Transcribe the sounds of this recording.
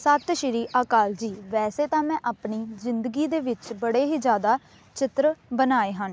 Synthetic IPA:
sət̪ʃɪɾiːʔaːkaːld͡ʒiːʋɛːseːt̪ãːmɛ̃ːʔaːpɳiːzɪnd̪əɡiːd̪eːʋɪt͡ʃbəɽeːɦiːd͡ʒjaːd̪aː | t͡ʃɪt̪ɾbənaːeːɦən

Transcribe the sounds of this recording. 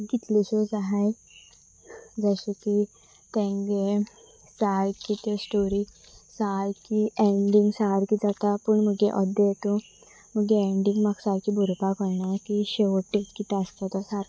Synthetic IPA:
kit̪leɕod͡zaɦaj | d͡zəɕeki | t̪ɛ̃ŋɡe | saɾkit̪esʈoɾi | saɾkieɳɖiŋɡsaɾkid͡zat̪apəɳməɡeʔɔd̪əjet̪o | məɡeeɳɖiŋɡmaɡsaɾkibuɾpakɔɾnakiɕeʋəʈːeskit̪aəst̪at̪ɔsaɾ

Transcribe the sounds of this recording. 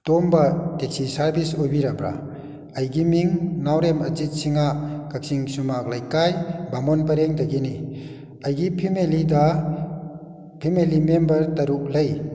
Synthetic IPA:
tombateksisaɾbʱisojbiɾabɾa̰ | ɐjɡimiŋnawɾemɐzit̚siŋakak̚siŋsumak̚lajkajbamɔnpɐɾeŋdɐɡini | ɐjɡipʰimelida | pʰimelimembɐɾtɐɾup̚lɐj

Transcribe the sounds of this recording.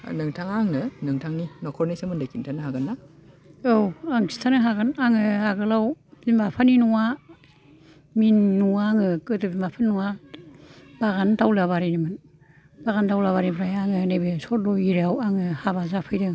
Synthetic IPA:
nɯŋtʰaŋaŋnɯnɯŋtʰaŋninɔkʰɔɾnisamɯndajkintʰanɯɦaɡanːa | owaŋsi̥tʰanɯɦaɡanaŋɯhaɡɯlawbimapʰaninuŋa | minːuŋaŋɯkɯdɯbimapʰannuŋa | b̥aɡandawlaβaɾinimɯn | b̥aɣandawlaβaɾinpʰɾajaŋɯnebesɔt̚lɔiɾeawaŋɯhaβazapʰɯjdɯŋ

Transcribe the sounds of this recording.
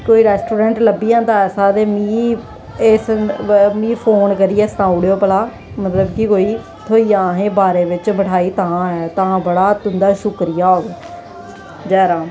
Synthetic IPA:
koːiːɾɛːsʈuːɖɛ̃ːɳʈləbijãːd̪aːɛːsaːd̪eːmiː | eːs | mĩːpʰoːnkəɾiːɛːst̪ãːʊɽjoːpəlaː | mət̪ləbkɪkoːiː | t̪ʰoːiːãːɦẽːbaːɾeːʋɪt͡ʃbəʈʰaːiːt̪aãːɛːt̪ãːbəɽaːt̪ʊnd̪aːʃʊkɾɪjaːoːɡe | d͡ʒɛːɾãː

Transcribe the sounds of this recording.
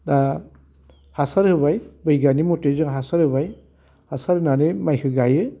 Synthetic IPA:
da | hasaɾhɯbajbɯjɡanimɔtezɯŋɦasaɾhɯbaj | hasaɾɯnanɯmajhɯɡajɯ

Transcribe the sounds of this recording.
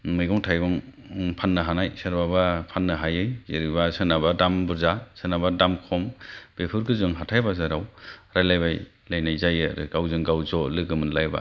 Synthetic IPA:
mɯjɡɔŋtʰajbɔŋ | pʰanːɯɦanajsaɾbabapʰanːɯɦajɯjzeɾibasɯnabadambɯɾzasɯnabadamkʰɔmb̥epʰɯɾkɯzɯŋɦatʰajbazaɾawɾajlajbaj | lajnajzajɯ̰ɾɯɡawzɯŋɡawzɔlɯɡɯmɯnlajba̰

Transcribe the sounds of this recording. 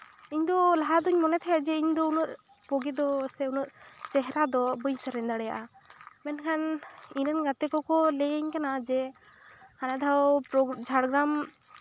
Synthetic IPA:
iɲd̪ɔlaɦad̪ɔɲmɔnɛt̪ʰajad͡ʒɛiɲd̪ɔunuʔ̪ | pɔɡɛd̪ɔsɛunuʔt͡ʃɛɦɛɾad̪ɔbɯɲsəɾɛnd̪aɽɛja̰ʔa | mɛnkʰaniɾɛnɡat̪ɛkɔkɔleɲkanad͡ʒɛ | kʰanad̪ʱawpɾɔd͡ʒʱaɽɡɾam

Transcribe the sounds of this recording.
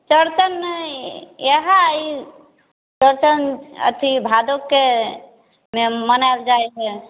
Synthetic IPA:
t͡ʃəɾt͡ʃənː | jeɦai | t͡ʃəɾt̪ənə̰t̪ʰibʱad̪okːe | memənaeld͡ʒaɛt͡ʃɛ

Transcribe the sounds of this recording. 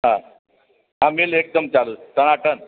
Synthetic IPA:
ɦã | amiːlek̚t̪əmt͡ɕalust̪əñaʈən

